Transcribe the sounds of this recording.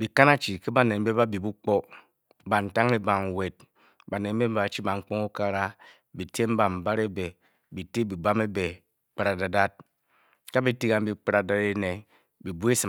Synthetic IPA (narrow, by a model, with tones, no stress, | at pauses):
bi˨ka˦na˦t͡ʃi˨ke˦ba˨ne˨˦be˦ba˦bi˨bu˦k͡po˦ | ba˨n̩˨ta˦ŋe˦ba˨ŋ˨we˨t̚ | ba˨ne˨˦be˦ba˨t͡ʃi˦ba˨ŋ͡m̩˦k͡po˦ŋu˦ka˦ɾa˦ | bi˨te˦m̩˦ba˨m̩˨ba˦ɾe˦be˨ | bi˨te˦bi˨ba˦me˦be˨ | k͡pa˨ɾa˨da˨da˦t̚ | ka˦bi˨ti˦ka˨m̩˦bi˦k͡pa˦ɾa˨da˨ɾe˦ne˨ | bi˨bu˦e˦si˨